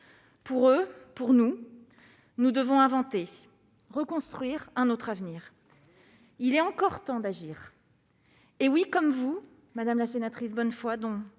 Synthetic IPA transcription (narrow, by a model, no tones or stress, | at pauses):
puʁøpuʁnu | nud̪əvɔ̃ɛ̃vɑ̃t̪e | ʁəkɔ̃st̪χɥiʁɛ̃not̪χavniːʁ | ilɛɑ̃kɔʁt̪ɑ̃d̪aʒiːʁ | ewikɔmvu | mad̪amlasenat̪χisbɔnfwad̪ɔ̃